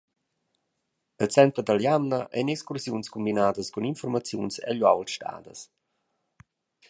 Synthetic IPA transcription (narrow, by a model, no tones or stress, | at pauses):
əlt͡sɛnt̪ɾəd̪aljamnaʔɛ̰nɛkskursjunskumbinaːd̪əskuninfɔrmat͡sjunsɛ̰aʎuawlʃta̰ːd̪əs